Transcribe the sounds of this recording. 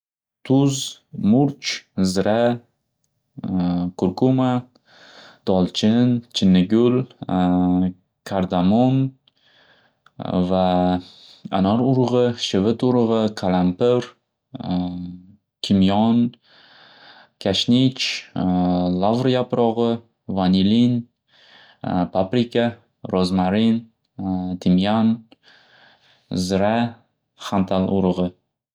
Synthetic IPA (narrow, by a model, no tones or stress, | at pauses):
t̪ʰʊzmʊɾt͡ʃzɾa | kʰʊɾkʰuma | d̪̥ɒlˠt͡ʃʰɪnt͡ʃʰɪnːɪɡʲʊl | kʲʰaɾd̪amon | va | a̰naɾʊɾʁɨʃɪvɪt̪ʊɾʁɨkʰalampɪɾ | kʲʰɪmjɒn | kʲʰaʃnʲit͡ʃ | lˠavɾjapɾɒʁɨ | vanʲilin | pʰapɾika | ɾozmaɾin | t̪ʰɪmjan | zɾa | χant̪ʰalˠʔʊ̰ɾɨʁɨ